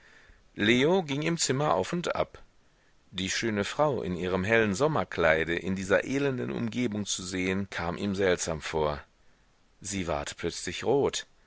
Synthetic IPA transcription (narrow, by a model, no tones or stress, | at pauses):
leːoɡɪŋɪmt͡sɪmɐʔa̰ʊfʊntʔa̰p | d̥iːʃøːnəfʁ̥aʊʔɪ̰nʔiːʁ̞əmɦɛlənzɔmɐkʰl̥aɪɾəʔɪndiːzɐʔeːlɛndənʔʊ̰mɡeːbʊŋt͡suzeːənkʰaːmʔḭːmzɛltz̥aːmfoːɐ | ziːva̰ɐtpʰl̥œt͡slɪçʁoːt